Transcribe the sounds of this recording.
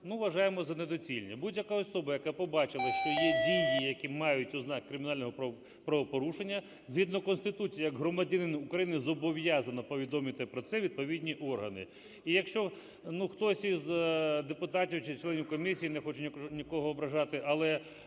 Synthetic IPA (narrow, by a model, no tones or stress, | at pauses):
nuʋɐʒɑjemɔzɐned̪ɔt͡sʲilʲnʲɛbudʲjɐkaɔsɔbɐjɐkapɔbɑt͡ʃɪlˠɐʃt͡ʃɔjɛdʲijijɐkʲimɑjʊt̚ʲʊznɑkːɾɪmʲɪnɑlʲnɔɦɔ | pɾɐʋɔpɔɾuʃenʲːɐ | zɦʲid̪nɔkɔnst̪ɪt̪ut͡sʲijɐjɐɡɦɾɔmɐdʲɐnɪnʊkɾɐjinɪzɔbɔʋjɑzɐnɐpɔʋʲid̪ɔmɪt̪ɪpɾɔt̪sɛʋʲid̪̚pɔʋʲidʲnʲiʔɔrɦɐnɪ̰ | ijɐkʃt͡ʃɔ | nuxt̪ɔsʲizd̪epʊt̪ɑtʲiwt͡ʃɪt͡ʃlˠɛnʲiwkɔmʲisʲijinɛxɔt͡ʃɛnʲnʲikɔɦɔːbɾɐʒɑt̪ɪʔɐlˠɛ